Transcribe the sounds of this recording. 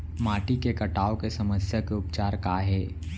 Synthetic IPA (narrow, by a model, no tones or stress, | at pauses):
maːʈikekɐʈaːokesɐməsjakeʊpt͡ʃaːɾkaːɦɛː